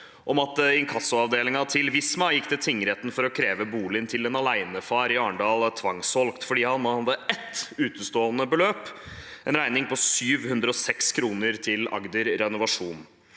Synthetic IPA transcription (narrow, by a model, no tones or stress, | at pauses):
ʔɔmɑt̪ɪnkʰɑsːʊɑʋd̪eːlɪŋɑt̪ʰɪlʋɪsmɑjɪkːd̪ɛt̪ʰɪŋːəɾeːt̪nfɔɾɔkʰɾeːʋəbuːlɪnt̪ʰɪlɛnɑlæɪnəfɑːɾɪɑːəɳɖɑːlt̪ʰʋɑŋsʋɔlkt̪fɔɖiːhɑnːhɑd̪ːəʔɛt̪ːʉːt̪əst̪oːənəbəløːp | ʔɛnɾæɪnɪŋpʰɔsyːʋhʉnd̪ɾəɔsɛkskʰɾuːnəɾt̪ʰɪlɑ̰ɡd̪əɾɾɛnʊʋɑʂuːn